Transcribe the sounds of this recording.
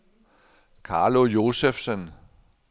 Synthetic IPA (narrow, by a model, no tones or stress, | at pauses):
kʰɑ̈ːlo̝jo̝ːsefsən